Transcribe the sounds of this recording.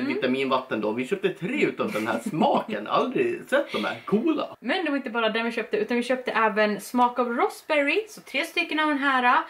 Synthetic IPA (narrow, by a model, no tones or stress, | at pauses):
vɪt̪amiːnvat̪ːənd̪ovɪɕœːp̚t̪ət̪ʰɾeːʉ̟ːt̪avd̪ɛnhæ̰ːsmɑːkənʔa̰ld̪ɾɪsɛt̪̚ːd̪ɔmæ̰ːɾkʰuːla̰mɛnd̪ɛvaɾɪnt̪̬əbɑːɾad̪æɳvɪɕøːp̚t̪əʉ̟ːt̪anvɪɕøːp̚t̪əʔɛːvənsmɑːkɑvɾɔsbɛɾɪsɔt̪ʰɾeːst̪ʏkːənavd̪ɛnɦæːɾa